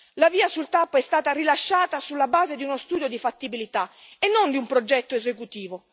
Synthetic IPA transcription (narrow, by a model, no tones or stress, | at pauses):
laviːasult̪aːpoɛst̪aːt̪arilaʃːaːt̪asulːabaːzed̪iunost̪uːd̪jod̪ifat̪ːibilit̪a | enːond̪iumpɾod͡ʒɛt̪ːoezekut̪iːvo